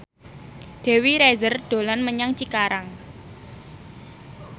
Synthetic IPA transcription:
d̪̥e̤wiɾezərd̪̥o̤lanməɲaŋt͡ʃikaɾaŋ

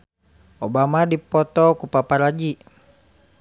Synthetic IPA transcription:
obamadipɔt̪ɔkupapaɾad͡ʒi

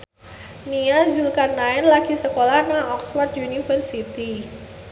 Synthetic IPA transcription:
niazulkanaɛnlaɡ̥isəkolahnaɔkswart̪unifərsit̪i

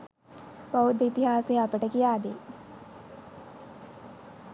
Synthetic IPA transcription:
paʋud̪ːəit̪iɦaːseːɐpəʈəkijaːd̪eː

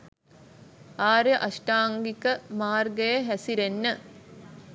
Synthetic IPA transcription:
aːɾəʔaʃʈaːŋɡikəmaːrɡəjəɦæsiɾenːə

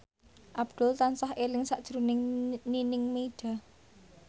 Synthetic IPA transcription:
ʔab̥d̪̥ʊ̤lt̪ansahʔelɪŋsaʔd̥ʒ̥ɾunɪŋninɪŋmeiɖ̥a̤

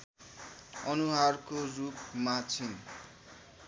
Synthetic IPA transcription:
ʌnuɦarkorup̚mat͡sʰin

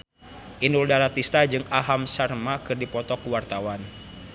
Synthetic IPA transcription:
ʔinuldaɾat̪ist̪ad͡ʒɨŋaɦamsarmakɨrdipɔt̪ɔkuwart̪awan

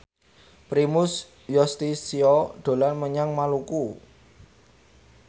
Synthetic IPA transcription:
pɾimʊs | jɔst̪isiɔɖ̪̥o̤lanməɲaŋmaluku

